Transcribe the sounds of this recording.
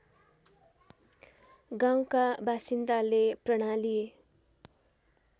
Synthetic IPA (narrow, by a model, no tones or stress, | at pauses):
ɡaw̃kabasind̪aleprʌɽ̃alije